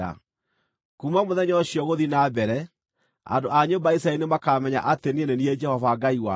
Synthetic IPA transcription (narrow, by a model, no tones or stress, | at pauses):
a̰ | kuːmamoðɛɲɔɕijɔɣoðinabɛɾɛ | a̰ndoʔaɲombaisɾainemakamɛɲa̰ʔatenienenied͡ʒɛhɔvaɡaiwa̰